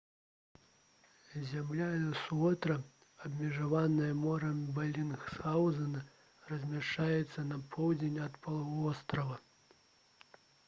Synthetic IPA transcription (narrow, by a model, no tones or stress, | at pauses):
zʲamlʲanɐsuɔt̪ɾɐ | ɐbʲmʲɛʐavanɐjɐmɔɾɐmʲbalʲinxsawzɐnɐ | rɐzʲmʲaʂt͡ʂajɛt̪sːɐnɐpʰɔwd͡zʲenʲɐt̪pɐlˠavɔst̪ɾɐvɐ